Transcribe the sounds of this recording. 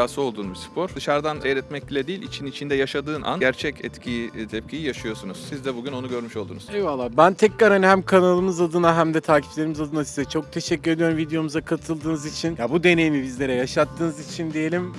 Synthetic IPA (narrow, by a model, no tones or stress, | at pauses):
aːsɯo̞lˠd̪uːnbispʰo̞ɾ̥d̪ɯʃaɾd̪anɛjɾɛt̪mɛc̚lʲɛd̪ijːilʲʔḭt͡ʃʰinit͡ʃʰind̪ɛjaʃad̪ɯːnʔa̰nɟæɾt͡ʃʰɛcʰɛ̰t̪cʰit̪ʰɛp̚cʰijijaʃɯjo̞sunuz̥sizd̪ɛbuɟyno̞nuɟø̞ɾmyʃolˠd̪uːnuzɛvvalˠːaːbænt̪ʰɛcɾaɾhaniɦæmkʰanalˠɯmɯzad̪ɯnaɦæmd̪ɛt̪ʰaːcʰi̥plʲe̞ɾimizad̪ɯnasizɛt͡ʃʰo̞k̚t̪ʰe̞ʃɛcʲːyɾe̞d̪ʲijoɾumvid̪ejo̞muzakʰat̪ʰɯlˠd̪ɯːnɯzit͡ʃʰinjabud̪e̞ne̞jimibizlʲe̞ɾɛjaʃat̪ːɯːnɯzit͡ʃʰind̪ije̞lʲim